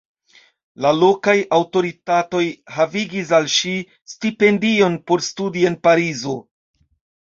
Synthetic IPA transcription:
lalo̞kajawto̞ɾitato̞jhaviɡis̬alʃi | stipe̞ndio̞npo̞ɾstudie̞npaɾizo̞

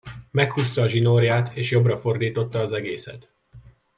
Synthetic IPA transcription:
mɛkhuːst̪ɒːʒinorjaːt̪eːʃjo̞brɒfo̞rd̪iːt̪o̞t̪ːɒːzɛɡḛːsɛ̰t̪

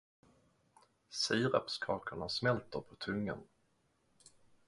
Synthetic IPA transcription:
siːɾa̰pskʰɑːkʰəɳasmɛlt̪əɾpʰɔt̪ʰɵŋːə̰n

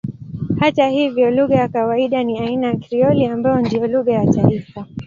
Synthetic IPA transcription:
hatahivjɔluɣajakawaiɗaniainajakɾiɔliambaɔndiɔluɣajataifa

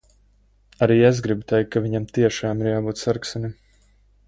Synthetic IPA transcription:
aɾiːezɡɾibut̪ɛjk̚ːaviɲamt̪iɛʃaːmiɾjaːbuːt̪saɾksɛnim

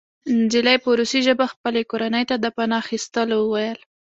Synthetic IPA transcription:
nd͡ʒɪlajpəɾusiʒəbaxpəlekoɾanəjt̪ad̪əpanɑaxist̪əlwəwajəl

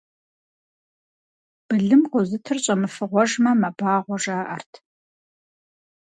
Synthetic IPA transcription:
b̥ɨɮɨmqʷʊzɨtʰɨrɕʼɐmɨfɨʁʷɔʒmɐmɐbaːʁʷɔʒaːʔɐ̰rtʰ

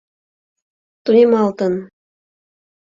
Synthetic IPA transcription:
t̪unʲemɑlˠt̪ɤ̆n

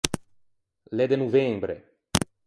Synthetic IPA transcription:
led̪enuvembɾe

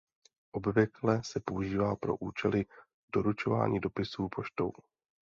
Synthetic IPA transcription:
ʔo̞bvɪklɛsɛpo̞uʒiːvaːpɾo̞̰ʔuːt͡ʃɛlɪ | d̥o̞ɾut͡ʃo̞va̰ːɲiːdo̞pɪsuːpʰo̞ʃt̪o̞̰w

